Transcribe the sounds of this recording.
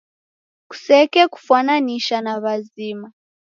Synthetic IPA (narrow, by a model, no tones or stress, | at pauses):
ku̥sɛkɛku̥fananiʃanaβaziːma